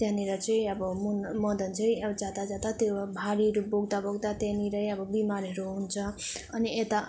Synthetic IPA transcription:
t̪janiɾʌt͡sʌ̃ĩʌbʌmunmʌd̪ʌnt͡sʌĩʌbʌd͡zad̪ad͡zad̪at̪jobʱaɾiɦɾuboɡd̪aboɡd̪at̪janiɾʌjʌbʌbimaɾɦʌɾuɦunt͡sʰʌʌniet̪a

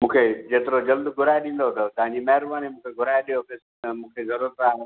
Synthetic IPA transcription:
mũːkʰed͡ʑeːt̪ɪɾod͡ʑɐld̪ɡʱʊɾaːeɗĩːn̆d̪ot̪ɐt̪ɐ̃ɦɪ̃ɲd͡ʑimɐɦɪɾbaːnimũːkʰeɡʱʊɾaːjeɗijopɪs | mũːkʰezɐɾuːɾət̪aːɦe

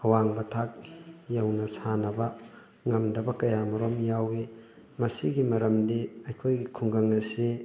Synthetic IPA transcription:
hɐwaŋbɐtʰak̚jɐwnɐsanɐbɐ | ŋɐmdɐbɐkɐjamɐɾomjawi | mɐsiɡimɐɾɐmdiɐjkʰojɡikʰuŋɡɐŋɐsi

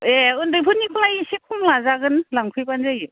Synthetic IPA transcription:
eɯndɯjpʰɯnikʰulajsikʰumlazaɡɯnlaŋpʰɯjpanzajɯ

